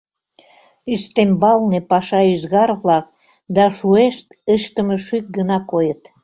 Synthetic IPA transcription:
yst̪embɑlnepɑʃɑyzɣɑrβlɑk | d̪ɑʃueʃt̪əʃt̪ə̆məʃyk̚ɡənɑkojət̪

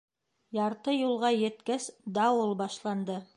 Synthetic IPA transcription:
jɑɾt̪ɤjulˠʁɑjɘ̆t̪kæsd̪ɑwolˠbɑʃlˠɑnd̪ɤ

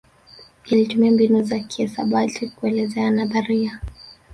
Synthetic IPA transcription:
ilitumiambinuzakiɛsaɓatikuɛlɛzɛanaðaɾia

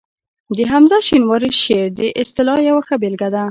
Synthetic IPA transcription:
d̪əɦamzaʃinwɑɾiʃeɾd̪əʔɪst̪ɪlɑjawaxabelɡad̪a

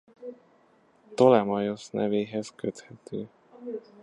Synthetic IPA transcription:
t̪o̞lɛmɒjosnɛ̰veːɦɛskøt̪hɛt̪øː

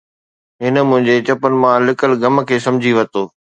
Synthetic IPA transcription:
ɦɪnə̆mʊ̃ɦɪ̃ɲd͡ʑet͡ɕɐpənɪ̆mãlɪkəlɡɐmkʰeːsɐ̃md͡ʑʱiʋɐt̪oː

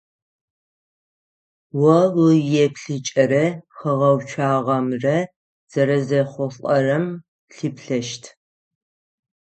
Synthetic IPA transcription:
wɐwʊjɛpɬɨt͡ʃʼɐɾɐxɨʁɐwt͡ʃʰaːʁɐmrɐ | z̥ɐɾɐzɐχʷʊfʼɐrɐm | ɬɨpɬɐʃtʰ

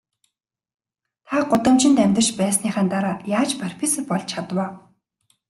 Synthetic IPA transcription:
t̪ʰaɢʊt̪ə̆mt͡ɕɪ̆nt̪æmʲt̪ə̆rʃpæːsniːχæːnt̪aɾaːjaːt͡ɕparpʰisɘ̆pɔɮt͡ɕʰat̪waː

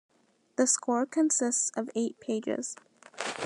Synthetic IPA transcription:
ðɨskʰɔɹkʰɨ̃nsɪstsʌveɪt̚pʰeɪd͡ʒɪ̰z̥

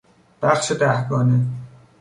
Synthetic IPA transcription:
b̥æχʃed̪æhɡɒːne

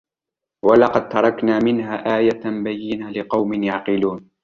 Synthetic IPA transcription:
walɑqɑd̪̚t̪ɑɾˤɑknaːmɪnhaːʔaːjabajːɪnalɪqɑwmɪnjaʕqɪluːn

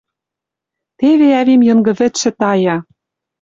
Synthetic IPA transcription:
t̪eβeæβimjɤ̆ŋɡɤ̆βɘ̆t̪ʃɘ̆t̪ɑjɑ

